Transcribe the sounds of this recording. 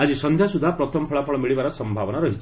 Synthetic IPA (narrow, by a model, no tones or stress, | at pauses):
ad͡zisʌnd̪ʱjasud̪ʱːapɾʌt̪ʰɔmpʰɔɭapʰɔɭmiɭibaɾʌsʌmbʱabɔnaɾʌɦit͡ʃʰ